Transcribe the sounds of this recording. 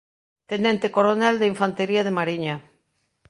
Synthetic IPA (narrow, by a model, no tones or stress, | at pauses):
t̪enɛnt̪ekoɾonald̪eiɱfant̪eɾiaðemaɾiɲa